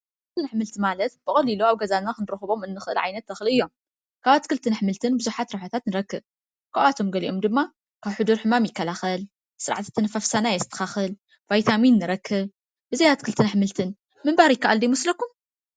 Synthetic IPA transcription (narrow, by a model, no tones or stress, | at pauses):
kkɨlt̪ːɨnħmɨlt̪ʰɨmalɐt̪b̥ɨχʼɐliloaβɡɐzanakɨnɨɾɨxɨβo̞mɨnːɨxɨʔɨ̰lʕajnɐt̪ːɐxɨlɨjːo̞m | kʰaβat̪kɨlt̪ʰɨnħmɨlt̪ʰɨnbɨzuħat̪ɾaħat̪ʰat̪nɨɾɐkːɨβ | kaʔat̪ʰo̞mɡɐliʔo̞md̪ɨmːa | kʰaβħɨd̪uɾħɨmamjɪkːɐlaxɐl | sɨɾʕa̰t̪ʰɨ̥t̪ʰːɨnfafsanajɛst̪ʰɐ̥xaxɨl | vajt̪ʰaminːɨɾɐkʰːɨβ | bɨzɐjat̪kʰɨlt̪ʰɨnħmɨlt̪ʰɨn | mɨmbaɾjɪkːaʔald̪ɐjmɔslɐkːum